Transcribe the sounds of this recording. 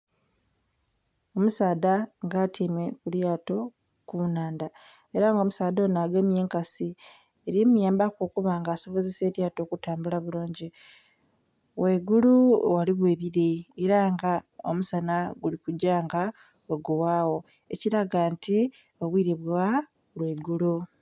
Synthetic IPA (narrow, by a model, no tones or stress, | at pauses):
o̞musaːdaŋɡaːtʰiːmwe̞kuljaːto̞ | kuːnaːnda | e̞ɾaŋɡo̞musaːdonaːɡemje̞ːŋkasi | eɾimujaːmbakokuβaŋɡaːso̞βo̞zese̞ːɾjaːto̞ːkutaːmbulaβuloːɲɟi | weːɡuluwaliβwe̞ːβiɾeːɾaŋɡao̰musanaɡulikuɟaŋɡa | eɡuwaːwo̞ | eciɾaɡantʰi | oβwiːɾiβwa | lweːɡulu